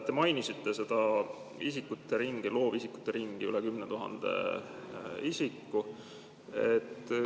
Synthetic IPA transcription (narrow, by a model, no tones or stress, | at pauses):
t̪ːe̞mɑjnisit̪ːe̞se̞d̪̥ɑ | isikːut̪ːe̞ɾiŋɡ̥ilo̞ːvisiku̥t̪ːˑe̞ɾiŋɡ̥iylekymnet̪uɦɑ̰nd̪̥e̞̰ | isikːu | et̪ːˑ